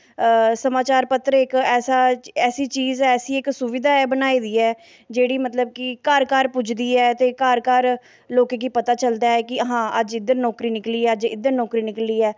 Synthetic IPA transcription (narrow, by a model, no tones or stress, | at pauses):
səmaːt͡ʃaːɾpət̪ːɾɪkɛːsaːɛːsiːt͡ʃiːzɛːsiːɪksʊʋɪd̪ʱaːɛːbənaːiːd̪iːɛː | d͡ʒeːɽiːmət̪ləb̚kɪkaːɾkaːɾpʊd͡ʒd̪iːɛːt̪eːkaːɾkaːɾ | loːkẽːkiːpət̪aːt͡ʃəld̪aːɛːkɪəɦãːəd͡ʒɪd̪əɾnɔːkɾiːnɪkliːɛːəd͡ʒɪ̰d̪əɾnɔːkɾiːnɪkəliːɛː